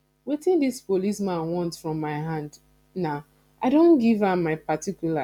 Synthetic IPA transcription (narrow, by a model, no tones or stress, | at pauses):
wetĩndispolismãnwɔ̃ntfɹɔ̃mːaɪɦãnd | na | ʔaɪdõnɡivamaɪpatikjula